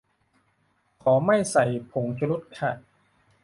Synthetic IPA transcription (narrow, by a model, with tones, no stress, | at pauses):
kʰɔː˩˦ma˥˩jsa˨˩jpʰo˨˩˦ŋt͡ɕʰa˧ɾu˦˥t̪̚kʰa˧˩